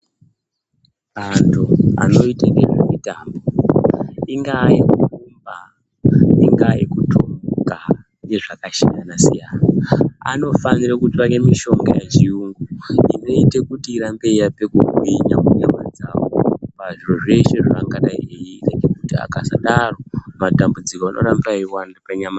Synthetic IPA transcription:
ɓantʰua̰no̞itanderremitambo̞ | iŋɡajekukumba | iŋɡajḭkutʰoka | neʐakaʃajanasijanaa̰no̞fanirakutipanemiʃo̞ŋɡajet͡ʃiuŋɡuḭno̞ite̞kutiːɾambe̞ijape̞kukwiɲakuɲama̰d͡zawo̰paʐiroʐe̞ʃeʐiaŋɡanaejireɡekutia̰kasa̰ɗaromatambud͡zikoanʔo̞̰ɾambaiwanapaɲama

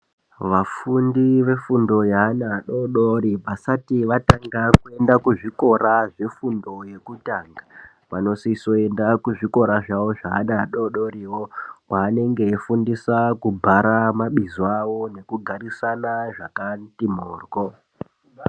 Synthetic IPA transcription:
ʋafundiʋe̞fundo̞jaːnaːɗoɗoɾipasatiʋataŋɡakue̞ndakuʐiko̞ɾaʐe̞fundo̞je̞kutaːŋɡa | ʋano̞siso̞e̞ndakuʐiko̞ɾaʐawo̞ʐa̰ːnaaɗo̞ɗo̞ɾiwo̞kwaːne̞ŋɡe̞ːfundisakubʱaɾamaɓizoawo̞ne̞kuɡʱaɾisanaʐakantimoːrwo

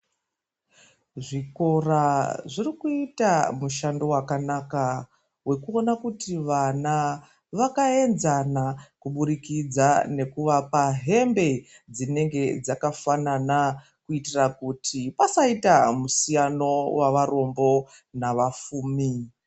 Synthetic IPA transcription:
ʐiko̞raʐirikuitamuʃando̞wakanaka | we̞kuo̞nakutiʋana | ʋakae̞nzanakuɓuɾikid͡zane̞kuʋapaɦe̞mbe̞ | d͡zine̞ŋɡe̞d͡zakafanana | kuitirakutʰipasaitamusijano̞waʋaro̞mbo̞ | naʋafuːmi

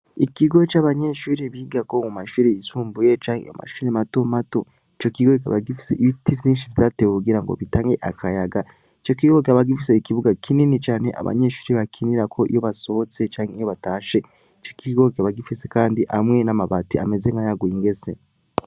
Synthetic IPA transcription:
ikiɡo̞t͡ʃaːβaɲe̞ʃuːɾiβiɡako̞mumaʃuːɾiisuːmbujet͡ʃaːŋeḭjo̰ma̰ʃuːɾimato̞mato̞ | it͡ʃo̞kiɡokaβaɡifi̥seiβitivziːnʃivzateweuɡiɾaŋɡo̰βitaːŋɡe̞ʔakʰajaɡa | it͡ʃo̞kiɡokaβaɡifise̞ikiβuɡakʰininit͡ʃaːne̞̰ʔa̰βa̰ɲe̞ːʃu̥ːɾiβakʰiniɾakʰo̞ʔḭjo̞βaso̞t͡set͡ʃaːŋheijo̞βataːʃe̞ | it͡ʃokiɡokaβaɡifise̞kaːndiʔamŋe̞namaβatia̰me̞ze̞ŋɡajaɡujiŋɡe̞se̞

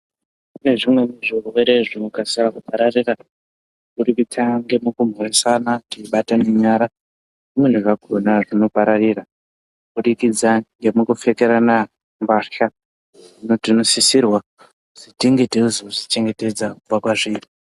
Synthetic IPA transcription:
une̞ʐimwe̞miʐirweɾeʐinokasirakupaɾarira | kuɾikitʰaŋɡe̞mukum̤oresanatiɓatane̞ɲaɾa | mwen̤uʐakonaʐino̞paɾarira | uɓuɗikid͡zaŋɡe̞mukufe̞keɾana | mbaʃa | ʐinotino̞sisirwa | ʐ̥itiŋɡeteuzoʐit͡ʃe̞ŋɡe̞te̞d͡zakupakwaʐiːri

